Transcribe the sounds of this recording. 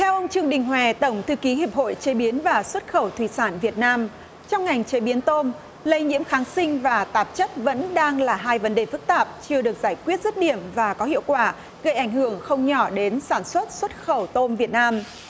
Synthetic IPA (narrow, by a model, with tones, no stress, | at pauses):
t̪ʰɛ˧wʔə˧wŋ͡mt͡ɕɨ˧əŋɗï˨˩ŋ̟ɦwɛ˨˩t̪ə˧˩wŋ͡mt̪ʰɨ˧˨ki˨˦ɦi˨˩əp̚ho̰˧˨jt͡ɕe˨˦ɓi˨˦ənvaː˨˩swə˦˥t̚xə˧˩wt̪ʰwi˧˩saː˧˩nvi˨˩ət̚naː˧m | t͡ɕɔ˧wŋ͡mŋa˨˩jŋ̟t͡ɕe˨˦ɓi˨˦ənt̪o˧n | lə˧jɲḭ˧˥əmxaː˨˦ŋsï˧ŋ̟vaː˨˩t̪aː˨˩p̚t͡ɕə˦˥t̚və̰˧˥nɗaː˧ŋlaː˨˩ɦaː˧jvə˨˦nɗe˨˩fɨ˦˥k̚t̪aː˨˩p̚t͡ɕɨ˧əɗɨ˨˩ək̚z̥aː˧˩jkwi˦˥ət̚zə˦˥t̚ɗi˧˩əmvaː˨˩kɔ˨˦hḭ˧˨əwkwaː˧˩ | ɣə˧˩jʔa˧˩jŋ̟hɨ˧˩əŋxə˧wŋ͡mɲɔ˧˩ɗe˨˦nsaː˧˩nswə˦˥t̚swə˦˥t̚xə˧˩wt̪o˧mvi˨˩ət̚naː˧m